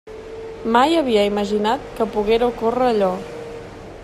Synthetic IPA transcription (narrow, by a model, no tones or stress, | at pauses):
majəβ̞iəiməʒinat̪̚kəpuɣeɾukorəːʎɔ